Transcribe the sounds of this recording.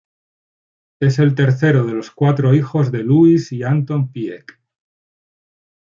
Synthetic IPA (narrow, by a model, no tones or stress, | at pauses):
e̞se̞lt̪e̞ɾθe̞ɾoð̞e̞lo̞skwat̪ɾo̞ixo̞zðe̞luisiant̪o̞mpiek